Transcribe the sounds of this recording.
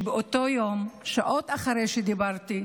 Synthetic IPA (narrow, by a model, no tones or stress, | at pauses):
beot̪o̞jo̞mʃaʔo̞t̪aχaɾejʃed̪ibaʁt̪i